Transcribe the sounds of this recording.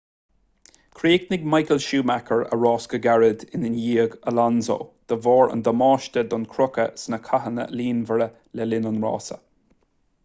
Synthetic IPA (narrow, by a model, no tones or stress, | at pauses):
kʰɾiːɡnɪɡmajkəlʃuːmakʰəɹə̰ɹɑːskəɡaɹəd̪ɪnɪnjiːəɡəlanzo̰ːd̪̥əvɔːɹə̰nd̪əmɑːʃt̪əd̪ɔnkʰɾʊkəsnəkʰaɦənə̰liːnvəɾə | lɛlɪnʊnɹɑ̰ːsə̰